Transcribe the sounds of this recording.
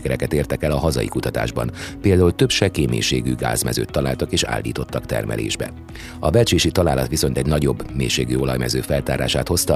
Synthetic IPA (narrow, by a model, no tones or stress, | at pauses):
kɛɾɛkɛt̪eːrt̪ɛkɛlɒɦɒzɒ̰jḭkut̪ɒt̪a̰ːʒbɒ̰npeːld̪aːult̪øpʃɛkeːmḛːʃeːɡyɡa̰ːzmɛ̰zø̰ːt̪ːɒlaːlt̪ɒkeːʃa̰ːlːiːt̪o̞t̪ːɒkt̪ɛ̰rmʔɛ̰lḛːʒbɛ̰ | ɒvɛlt͡ʃeːʃit̪ɒlaːlɒt̪ʋiso̞nt̪ɛɟnɒɟo̞bːmeːʃeːɡyo̞lɒjmɛzøːfɛlt̪aːɾa̰ːʃaːt̪ho̞st̪ɒ